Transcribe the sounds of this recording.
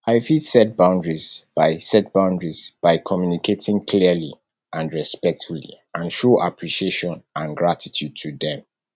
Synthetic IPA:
aɪfitsɛt̚bãʊ̃ndɹizb̥aɪsɛt̚b̥ãʊ̃ndɹizb̥aɪkʰɔmjunikʰetʰĩŋkʰliəlḭ | ãnɹɛspɛk̚tfulḭ | ãnʃoʔapʰɹiʃieʃɔ̃nãnɡɹatʰitʰjud̚tʰuðɛ̃m

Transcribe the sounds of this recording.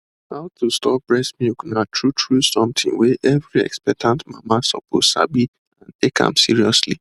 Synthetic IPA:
haʊtʰustɔp̚bɹɛsmjuknatʰɹutʰɹusɔ̃mt̪ʰḭ̃ŋweʔɛvɹiɛ̰kspɛk̚tʰãntmãmasɔ̰pʰoz̥sa̰bi | ãntekã̰msiɹiɔsli

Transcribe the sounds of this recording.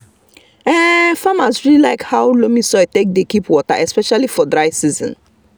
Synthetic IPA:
ɛfamasɹililaɪkhaʊlomisɔatek̚dekipwɔta̰ʔɛspɛʃalifɔdɹaɪsizɔ̰̃n

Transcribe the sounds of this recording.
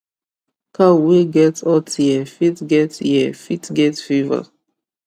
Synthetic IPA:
kaweɡɛtɔtjɛfitɡɛtjɛfitɡɛtfiva̰

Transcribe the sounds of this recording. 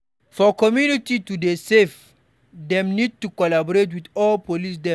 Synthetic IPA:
fɔkɔmjunititudesef | dɛ̃mnid̚tukɔlabɔɾet̬widɔlpolis̬dɛ̃

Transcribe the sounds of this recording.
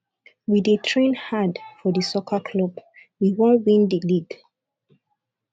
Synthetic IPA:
widetʰɹẽnhadfɔðəsokʰakʰlɔbwiwɔ̃nwĩndiliɡ

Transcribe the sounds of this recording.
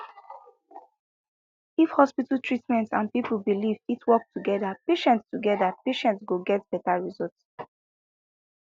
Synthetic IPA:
ifhɔspitəltɹitmɛ̃ntãnpipəl̩bilivitwɔk̚tʰuɡɛdapeʃɛ̃ntstuɡɛdapeʃɛ̃ntsɡoɡɛt̚b̥ɛtaɹizɔlt

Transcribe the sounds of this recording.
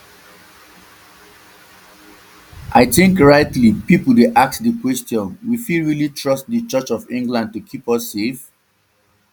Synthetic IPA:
ʔaɪθɪ̃ŋkɹaɪtlipipl̩deʔak̚tdəkwɛstjɔ̃nwifilɹilitʰɹʌst̚dət͡ʃʌt͡ʃɔvɪ̃ŋɡlãnd̚tukʰipʌsːef

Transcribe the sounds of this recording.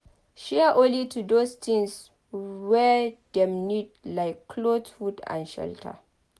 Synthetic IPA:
ʃɛʔõnlitʰudost̪ʰĩŋs | wɛdɛ̃mnid̚laɪkʰːlodfudã̰nʃɛ̰ltʰə̰

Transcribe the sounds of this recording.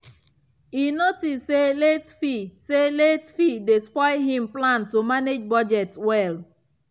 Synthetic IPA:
inotisːeletfiseletfidespɔɪɦɪ̃mplãntomaned͡ʒbɔd͡ʒɛtwɛl

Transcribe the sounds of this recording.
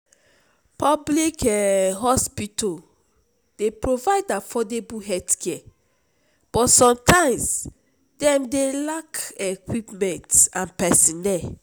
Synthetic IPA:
pɔblikɛɦɔspitɔ | d̥epɹovaɪdafɔdebuɦɛdkʰɛ | b̥ɔtsɔ̃mtãɪ̃ms | dɛ̃mdelakekwipmɛ̃ntãnpɛsĩnɛ

